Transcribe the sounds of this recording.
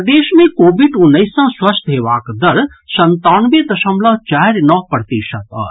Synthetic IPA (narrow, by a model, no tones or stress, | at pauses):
d̪eːʃmẽkoːbiɖʊnːəɪsãswɐst̪ɦeːʋaːkd̪ɐɾ | sɐ̃nt̪aːnʋed̪ɐʃə̃mlãt͡ʃaːɾnɔːɦpɾət̪iːʃət̪ɔ̰ːɾ